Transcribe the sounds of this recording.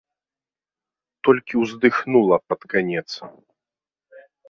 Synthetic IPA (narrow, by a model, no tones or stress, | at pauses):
t̪ɔlʲkʲiwzd̪ɨxnulˠɐpɐt̪kanʲɛt̪sɐ